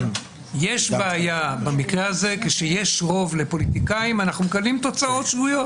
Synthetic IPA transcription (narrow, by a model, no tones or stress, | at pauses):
je̞ʃbeːjabamikʁeaze̞keʃeje̞ʃʁo̞vle̞po̞lit̪ikaimanaχnumekalimt̪o̞t͡sao̞tʃvujo̞t